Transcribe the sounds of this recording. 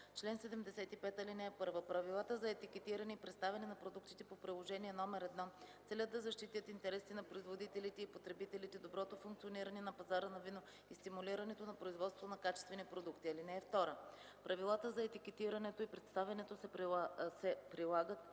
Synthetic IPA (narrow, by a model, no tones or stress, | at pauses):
t͡ʃlɛnsɛd̪ɛmd̪ɛsɛt̪ipɛt̪ɐlinɛɛpɤɾvəpɾɐvilˠat̪əzɐɛt̪ikɛt̪iɾɐnɛipɾɛt̪st̪avɛnɛnɐpɾod̪ukt̪it̪ɛpopɾilˠoʒɛniɛnɔmɛɾɛd̪nɔt̪sɛlʲətd̪ːɐzɐʃt̪it̪ʲət̪int̪ɛɾɛsinɐpɾoizvod̪it̪ɛlit̪ɛipot̪ɾɛbit̪ɛlit̪ɛd̪obɾɔt̪ofuŋkt̪sioniɾɐnɛnɐpɐzaɾənɐvino | ist̪imuliɾɐnɛt̪onɐpɾoizvɔt̪svo̥t̪onɐkat͡ʃɛst̪vɛnipɾod̪ukt̪iɐlinɛːft̪ɔɾə | pɾʔɐvilˠat̪əzɐɛt̪ikɛt̪iɾɐnɛt̪oipɾɛt̪st̪avɛnɛt̪osɛsɛpɾilˠaɡət̪